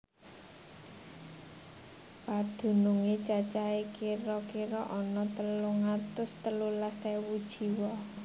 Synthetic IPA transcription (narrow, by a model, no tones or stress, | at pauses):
pad̪̥ṳnuŋet͡ʃat͡ʃaekiɾɔkiɾɔʔɔnɔt̪əluŋat̪ʊst̪əlulasewud̥ʒ̥i̤wɔ